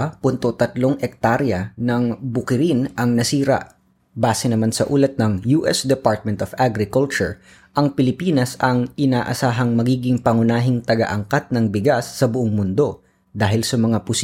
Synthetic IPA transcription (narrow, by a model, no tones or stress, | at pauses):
pʊnt̪o̞t̪ɐt̪loŋʔɛk̚t̪aɾjɐnɐŋbʊkɪɾɪnʔɐŋnɐsiːɾɐ̰ʔ | baːsɛnɐmansɐʔuːlɐt̪̚nɐŋjuːʔɛsd̪ɛpaɹt̪̚mɛnt̪ofʔaɡɾɪkʊlt͡ʃʊɹ | ʔɐŋpɪlɪpiːnɐsɐŋʔɪnaːʔɐ̰saːɦɐŋmɐɡiːɡɪŋpɐŋʊnaːɦɪŋt̪ɐɡɐ̰ʔɐŋkat̪̚nɐŋbɪɡasːɐbʊʔoŋmʊnd̪o̞ | d̪aːɦɪlsɐmɐŋapʊs